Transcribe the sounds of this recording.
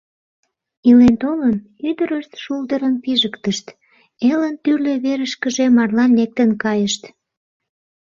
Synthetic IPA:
ilent̪olən | yd̪əɾəʃt̪ʃuld̪əɾənpiʒəkt̪əʃt̪ | elənt̪yrløβeɾəʃkəʒemɑrlɑnːek̚t̪ənkɑjəʃt̪

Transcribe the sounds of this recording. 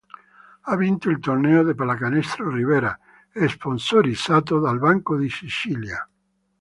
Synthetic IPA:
avint̪oilt̪orneoðepalakanɛst̪ɾoriβeɾa | esponsoɾisat̪oðalbaŋkoðisit͡ʃilja̰

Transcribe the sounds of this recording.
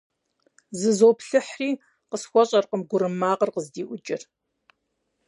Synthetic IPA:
zɨzoːpɬɨħriː | qəsxʷɔɕʼɐrqəmɡʷʊɾɨmːaːqərqəzdiːʔʷʊd͡ʒʼɪ̰r

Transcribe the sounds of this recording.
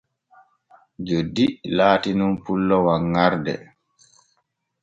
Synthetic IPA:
d͡ʒodilaːtinunpulːɔwaŋːaɾdɛ̰

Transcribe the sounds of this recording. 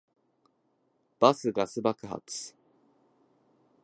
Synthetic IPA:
b̥asɨɡasɨbakɯ̟ha̰t͡sɨ̥

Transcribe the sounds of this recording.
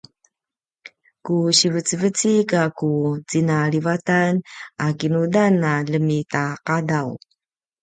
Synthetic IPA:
kuɕivət͡səvət͡sikakut͡sinaɭivatanakinudanaləmitaqadaw

